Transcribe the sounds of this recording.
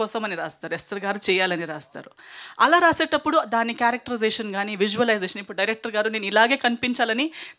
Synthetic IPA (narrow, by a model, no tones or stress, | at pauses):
ɔːsɐmɐniɾaːst̪aːɾuɛst̪ɐɾɡaːɾut͡ʃɛːjaːlɐniɾaːst̪a̰ːɾu | ɐlaːɾaːseːʈɐpːuɽud̪aːnːikjaːɾɐk̚ʈɐɾizeːʂɐnɡaːniːʋid͡ʒuʋɐlɐjzeːʃɐnipːuɽuɖɐjɾek̚ʈɐɾɡaːɾuneːnuilaːɡe̞ːkɐnipiɲt͡ʃaːlɐni